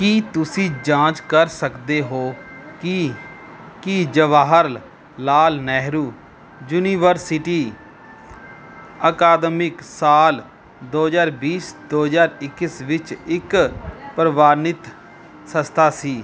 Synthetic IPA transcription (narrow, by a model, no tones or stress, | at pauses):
kiːt̪ʊsĩːd͡ʒãːt͡ʃkəɾsəkd̪eːɦoː | kid͡ʒəʋaːɦəɾl | laːlnɛːɦɾuː | d͡ʒuːniːʋəɾsɪʈiː | əkaːd̪mɪksaːl | d̪oːɦzaːɾbiːsd̪oːɦzaːɾɪkːɪsʋɪt͡ʃɪkpəɾəʋaːnɪt̪ | səst̪ʰaːsiː